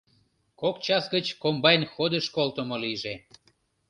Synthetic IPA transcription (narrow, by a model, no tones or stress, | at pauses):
kokt͡ɕɑsɡət͡ɕkombɑjnxod̪əʃkolt̪əmoliʒe